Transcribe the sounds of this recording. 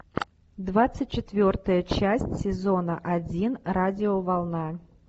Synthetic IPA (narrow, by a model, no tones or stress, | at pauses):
d̪vat̪sɨt̚ʲt͡ɕːɪt̪vʲort̪əjət͡ɕæsʲtʲsʲɪzonəʔad͡zʲinradʲɪovɐlˠna